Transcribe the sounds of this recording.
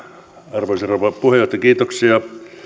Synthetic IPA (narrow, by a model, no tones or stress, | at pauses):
ɑrʋoˑiseroʋɑpuhejˑoht̪ɑkiːt̪oksiɑ